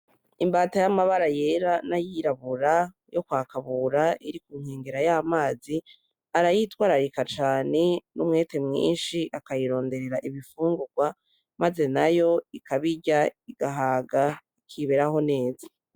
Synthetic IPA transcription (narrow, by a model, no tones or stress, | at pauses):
imbaːtajamaβaɾaje̞ːɾanajiɾaβuɾa | jo̞kwaːkaβuːɾaiɾikuːŋ̥heːŋɡeɾajaːmaːzi | aɾajitwaːɾaɾikat͡ʃaːne̞numŋe̞ːte̞mŋḭːnʃiʔakajiɾo̞ːnde̞ɾe̞ɾaʔiβifuːŋɡuɡ̥wa | maze̞najo̞ikaβiɟaiɡ̥aɦaːɡaikʰiβe̞ɾaho̞ne̞ːzḁ